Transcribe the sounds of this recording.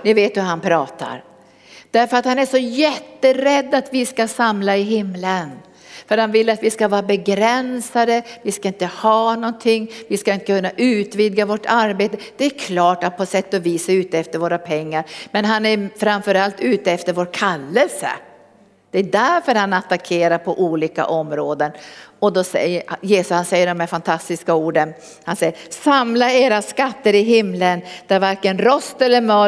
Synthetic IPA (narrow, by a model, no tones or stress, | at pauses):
nɪveːt̪ɵɦanpʰɾɑːt̪a̰ɾ | d̪̥æɾfœɾat̪hanæʂɔjɛt̪ːəɾɛd̪ːat̪vɪskasamlaɪɦɪmːlən | fœɾhanvɪlːat̪vɪskavɑːɾabɛɡɾɛnsad̪əvɪskaɪnt̪əhɑːnɔnt̪ʰɪŋːvɪskaɪnt̪əkʰɵnːaʔʉ̟ːt̪viːd̪ɡavɔʈaɾbeːt̪əd̪̥ɛæɾkʰlɑːʈat̪̚pʰɔsɛt̪ːɔviːsaʉ̟ːt̪əɛft̪əɾvoːɾapʰɛŋːaɾmɛnɦanæɾfɾamfœɾalt̪ʉ̟ːt̪əɛft̪əɾvoːɾkʰalːəlsə̰ | d̪̥ɛːd̪æɾfœɾhanat̪ːakʰeːɾaɾpʰɔʔuːliːka̰ʔɔmɾoːd̪ənɔd̪ɔsɛjəjeːsɵshansɛjːəɖɔmæɾfant̪ʰast̪ɪskauːɖən | hansɛjːəsamlaeːɾaskat̪ːəɾɪɦɪmlənd̪̥æɾvaɾkənɾɔst̪ɛlːəɾmœ